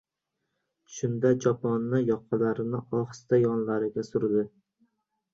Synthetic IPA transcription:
ʃʊnd̪ad͡ʒɒpʰɒnːajɒqʰːɑlaɾɪnɪɒχst̪ajɒnlaɾɪɡʲasʊɾd̪ɪ

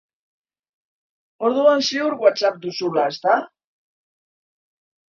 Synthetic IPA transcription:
o̞ɾðuansiuɾɣwat͡sap̚d̪usulae̞st̪a

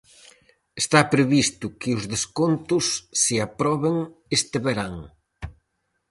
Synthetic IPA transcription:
est̪apɾeβist̪ʊkɪʊzðeskont̪ʊsːɪapɾɔβeŋest̪ɪβeɾaŋ

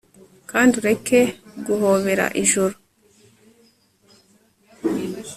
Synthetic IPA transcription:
kaːnduɾe̞ke̞ɡuhoːβe̞ɾa̰ʔiʒuɾu

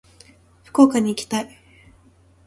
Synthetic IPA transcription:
ɸɯ̟̥ko̞ːkaɲ̟iːkʲi̥t̪ai

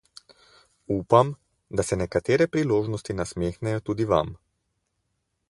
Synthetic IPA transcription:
uːpam | d̪asɛnɛkat̪eːɾɛpɾiloːʒnɔst̪inasmeːxnɛjɔt̪uːd̪iʋa̰m

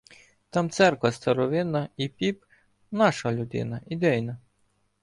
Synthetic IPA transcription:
t̪ɑmt̪sɛrkʋɐst̪ɐɾɔʋɪnɐipʲip | nɑʃɐlʲʊd̪ɪ̰nɐid̪ɛjnɐ

